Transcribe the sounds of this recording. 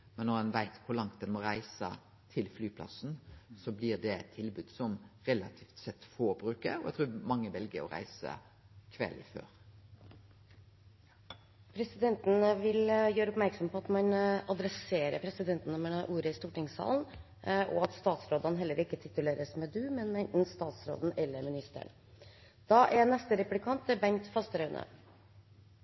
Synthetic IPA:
mɛnːɔɾɑnʋæɪt̪kʰʊɾlɑŋt̪̚d̪ɛnmɔɾæɪsə̰ | t̪ʰɪlflyːpʰlɑ̰snsɔblɪʁd̪ɛɛt̪ʰːɪlbʉːd̪sɔmɾɛlɑt̪ʰiːft̪sɛt̪ːfoːbɾʉːkə̰ɾɔɛɡt̪ʰɾuːmɑŋːəʋɛlɡəɾɔ̰ɾæ̰ɪsə̰ | kʰʋɛ̰lfø̰ːɾ | pʰɾɛsɪd̪ɛnt̪n̩ʋɪljøːɾəɔpmæɾksɔmpʰɔɑt̪mɑnɑd̪ɾɛseːɾəpʰɾɛsɪd̪ɛnt̪n̩ɔməɳəʔuːɾəɪst̪uːʈɪŋsɑ̰ːln̩ | ɔɑt̪st̪ɑːt̪sɾoːd̪ɑnɦɛlːəɾɪkːət̪ʰɪt̪ʉleːɾəsmɛd̪ʉːmɛnmɛnt̪n̩st̪ɑːt̪sɾo̰ːd̪n̩ʔɛlːəɾmɪnɪst̪ə̰ɳ | d̪̥ɑːʔɛnɛst̪əɾɛplɪkʰɑnt̪ːɪbɛnt̪fɑst̪əɾœʉnʔə̰

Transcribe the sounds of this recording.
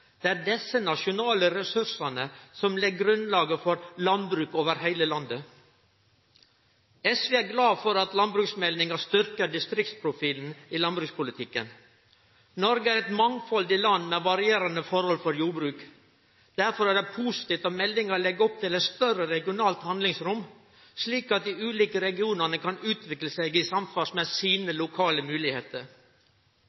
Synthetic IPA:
d̪̥ɛːæːɖɛsːənɑʂɪʊnɑːləɾɛsʉɾsɑnəsɔmlɛɡːɾʉnlɑːɡəfɔɾlɑnbɾʉːkoːʋəɾhæɪləlɑnd̪ə | ɛsʋeːæɾɡlɑːfɔɾɑt̪lɑnbɾʉːksmɛlnɪŋɑst̪ʏɾkəɖɪst̪ɾɪk̚t̪spʰɾʊfiːln̩iːlɑnbɾʉːkspʊlɪt̪ʰɪkːə̰n | nɔɾɡəæɾɛt̪mɑŋfɔld̪ɪlɑnːmɛʋɑɾɪeːɾɑnəfɔɾhɔlfɔɾjuːbɾʉːk | d̪̥æɾfɔɾæɖɛpʰuːsɪ̥t̪ɪːft̪ɑmɛlːɪŋɑlɛɡːəɔp̚t̪ʰɪlɛt̪st̪œɾəɾɛɡɪʊnɑːlt̪hɑnd̪lɪŋsɾʊm | sliːkɑt̪̚d̪ɪʉːliːkəɾɛɡɪuːnəɳəkʰɑnʉːt̪ʰʋɪkləsɛɡɪsɑmfɑsmɛsiːnəlʊkʰɑːləmʉːlɪheːt̪əɾ

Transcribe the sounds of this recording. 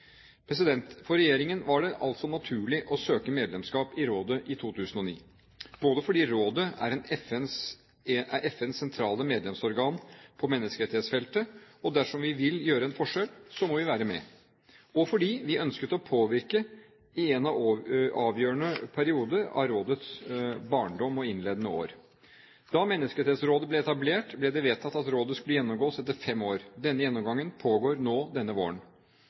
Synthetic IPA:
pʰɾɛs̬ɪd̪ɛnt̪fɔɾɛjeːɾɪŋənʋɑɖɛʔɑ̰lt̪sɔnɑt̪ʰʉːɭɪʔɔsøːkəmeːd̪lɛmskɑːpɪɾoːd̪əʔɪt̪ʰuːt̪ʰʉːsənɔnḭː | b̥oːd̪əfɔɖiːɾoːd̪əæ̰ɾɛnɛfɛns | æʔɛfɛnsːɛnt̪ʰɾɑːləmeːd̪lɛmsɔɾɡɑːnpʰɔmɛnːəskəɾɛt̪ɪheːt̪sfɛlt̪əɔd̪æʂɔmʋɪʋɪljøːɾəɛnfɔʂɛlsɔmɔʋɪʋæːɾəmɛ̰ | ɔfɔɖiːʋɪʔœnskət̪ɔpʰoːʋɪɾkə | ɪɛnɑɑːʋjøːɳəpʰæɾɪuːd̪əɾɑ̰ɾoːd̪ət̪sbɑːɳɖɔmɔɪnleːd̪ənəo̰ːɾ | d̪̥ɑmɛnːəskət̪eːt̪sɾoːd̪əblɛɛt̪ɑbleːʈblɛd̪ɛʋeːt̪ʰːɑt̪ːɑt̪ɾoːd̪əskʉlːəjɛnːɔmɡoːsɛt̪ːəɾfɛmːoːɾd̪ɛnːəjɛnːɔmɡɑŋːənpʰoːɡoːɾnoːd̪ɛnːəʋo̰ːəɳ

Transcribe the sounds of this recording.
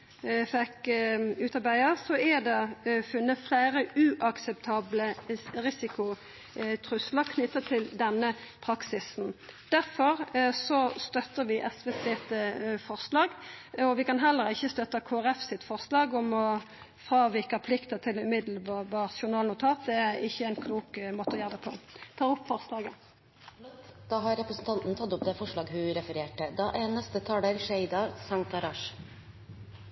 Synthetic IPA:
fɛkʉːt̪ɑɾbæɪəsɔɛd̪ɛfʉnːəflæɪɾəʉːʔɑksɛpt̪ʰɑːbləʁɪsɪkʊ | t̪ʰɾʉsləkʰnʏt̪ːət̪ʰɪld̪ɛnːəpʰɾɑksɪsn̩d̪̥æʁfɔʁsɔst̪œt̪ːəʁʋɪʔɛsʋɛseːt̪əfɔʁslɑːɡɔʋɪkɑnɦɛlːəɾɪçːəst̪œt̪ːəkʰoːæʁɛfsɪt̪fɔʁslɑːɡɔmɔ | fʁɑːʋɪkɑpʰlɪkt̪ət̪ʰɪlʉmɪd̪l̩bɑbɑːʁt̪ʃʊnɑːlnʊt̪ʰɑːt̪̚d̪ɛæɪçːəæɪnkʰluːkmoːt̪əɔjæːʁd̪ɛpʰɔ̰t̪ʰɑːʁʊpːfɔʁslɑːɡə | t̪d̪̥ɑɦɑɾɾɛpɾəsn̩t̪ʰɑnt̪n̩t̪ʰɑt̪ːʊp̚d̪ɛfɔʂɭɑːɡhʉɾɛfəɾeːʈəd̪ɑʔænɛst̪ət̪ʰɑːləɾʂæɪd̪ɑsɑŋt̪ɑɾɑːʂ

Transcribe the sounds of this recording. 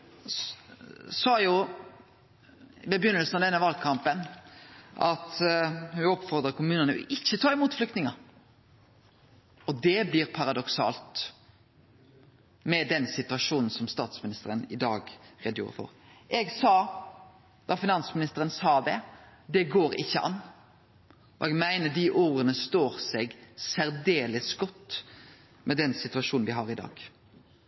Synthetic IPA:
sɑːjʊ | bɛbjʏnːəlsn̩ɑʋd̪ɛnːəʋɑlɡkʰɑmpən | ʔɑ̰t̪hʉɔpːfɔʁd̪ɾəkʰʊmʉːnənəɔ̰ʔɪçːət̪ʰɑːɪmuːt̪flʏkt̪nɪŋɑ | ɔd̪ɛblɪɾpʰɑɾɑd̪ɔksɑ̰ːlt̪ | mɛd̪ɛnsɪt̪ʉɑʂuːnn̩sɔmst̪ɑːt̪smɪnɪst̪əɾənɪd̪ɑːɡʁeːd̪əjṵːɾə̰fɔ̰ʁɛɡsɑː | d̪̥ɑfɪnɑnsmɪnɪst̪əɾənsɑːd̪ɛ | d̪ɛɡoːɾɪçːəʔɑ̰nː | ʔɔ̰ɛɡmæɪnəɖ̪iʔoːʁənəst̪oːɾsɛɡsæɾd̪eːləsɡɔt̪ː | mʔɛd̪ɛnsɪt̪ʉɑʂuːnnʋɪɦɑɾɪd̪ɑ̰ːɡ̥

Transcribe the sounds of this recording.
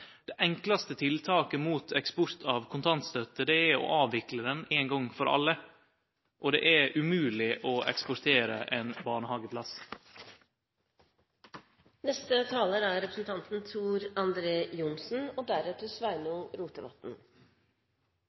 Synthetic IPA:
d̪̥ɛʔɛŋklɑst̪ət̪ʰɪlt̪ʰɑːkəmuːt̪ʰɛkspɔɾt̪ʰɑːʋkʰʊnt̪ʰɑnt̪st̪œt̪əd̪ɛæɔ̰ʔɑːʋɪkləd̪ɛneːnɡɔŋfɔɾʔɑ̰lːə | ʔɔd̪ɛ̰ːʔæɾʉmʉːlɪʔɔʔɛkspɔɾt̪ʰeːɾə̰ʔeːnbɑːɳəhɑːɡəpʰlɑs | nɛst̪ət̪ʰɑːləɾæɾɾɛpɾəsn̩t̪ʰɑnt̪n̩t̪ʰuːɾɑnd̪ɾeːjʊnsn̩ɔd̪æɾʉːt̪əsʋæɪnuːɾuːt̪əʋɑ̰t̪n̩

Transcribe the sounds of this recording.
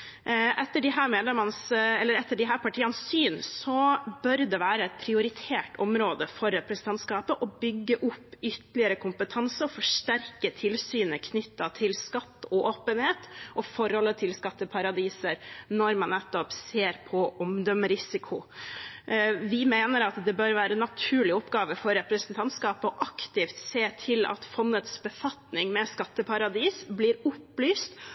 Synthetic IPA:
ʔɛt̪ːəɖɪɦæːɾmeːd̪lɛmənəsɛlːəɾɛt̪ːəɖɪɦæːɾpʰɑʈʰiːɑnssyːnsɔbœɾd̪ɛʋæːɾəɛt̪̚pʰɾɪʊɾɪt̪ʰeːʈɔmɾoːd̪əfɔɾɛt̪̚pʰɾɛsɪd̪ɛnt̪skɑːpəʔɔbʏɡːəʔʊpːʏt̪ːəlɪəɾəkʰʊmpət̪ʰɑnsəɔfɔʂʈæɾkət̪ʰɪlsyːnəkʰnʏt̪ːɑt̪ʰɪlskɑt̪ːɔʔoːpənheːt̪ʔɔfɔɾhɔlːət̪ʰɪlskɑt̪ːəpʰɑɾɑd̪iːsəɾnɔɾmɑnnːɛt̪ːɔpseːɾpʰɔʔɔmd̪ɔməɾɪsɪkʰʊ | ʋɪmeːnəɾɑt̪d̪ɛbøɾʋæːɾənɑt̪ʰʉːɭɪɔpːɡɑːʋəfɔɾːɛpɾəsənt̪ʰɑnt̪skɑːpɔʔɑkt̪ɪft̪seːt̪ʰɪlɑ̰t̪fɔnːət̪sbəfɑt̪nɪŋmɛskɑt̪ːəpʰɑɾɑd̪iːsbliːɾʊplyːst̪

